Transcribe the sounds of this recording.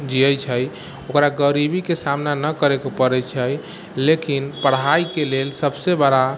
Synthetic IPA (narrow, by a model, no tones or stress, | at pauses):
d͡ʒiəjt͡ʃʰəj | okɾaɡəɾibikesamnanəkəɾekopəɾɛt͡ʃʰəj | lekinpəɽ̤ɦaikelelsəbsebəɽa